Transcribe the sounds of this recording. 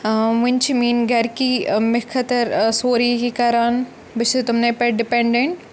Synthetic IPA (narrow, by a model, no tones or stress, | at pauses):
mʊnt͡ʃimĩːnɡɐɾkimɪkʰɐt̪əɾsoːɾikikɐɾaːn | bɪt͡ʃ̪ʰut̪ʊmnepeʈ̚ɖɪpẽɳɖeɳʈ